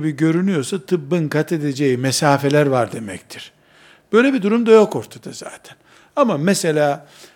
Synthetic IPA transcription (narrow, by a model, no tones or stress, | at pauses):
biɟø̞ɾynyjo̞sat̪ʰɯbːɯnkat̪ʰe̞d̪ed͡ʒejimɛsaːfe̞lʲæɾvaɾd̪e̞mɛct̪ʰiɾ̥ | b̥ø̞jlʲebid̪uɾumd̪ajo̞ko̞ɾt̪ʰad̪̥aza̰ːt̪ʰɛ̥n | amamese̞lʲaː